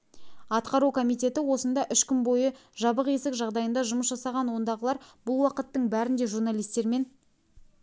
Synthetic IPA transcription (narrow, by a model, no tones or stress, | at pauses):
ɑt̪qɑɾukʰomijt̪ʲe̞t̪ɪwo̞sənd̪ɑʔʏʃkʲʏnbo̞jəʒɑbəqe̞sɪkʒɑʁd̪ɑjənd̪ɑʒʊməsʒɑsɑʁɑnwo̞nd̪ɑʁəlˠɑɾbʊlˠwɑqət̪ːəɴbæɾɪnd̪e̞ʒuɾnalʲijst̪e̞ɾme̞n